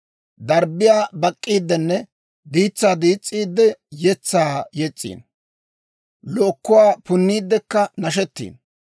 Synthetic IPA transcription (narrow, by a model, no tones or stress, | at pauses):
d̪ɐɾbɪjaːbɐkʼːiːd̪ːɛnːɛ | d̪iːt͡sːaːd̪iːt͡sʼːiːd̪ːɛjɛt͡sːaːjɛt͡sʼːḭːn | lɔːkːʊwaːpʊnːiːd̪ːɛkːɐnɐʃ̬ɛt̪ːḭːn